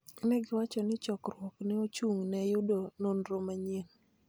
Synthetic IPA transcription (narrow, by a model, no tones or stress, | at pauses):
nɛɡɪwat͡ʃɔnɪt͡ʃɔkɾwɔknɪot͡ʃuŋnɛjʊdononɾomaɲen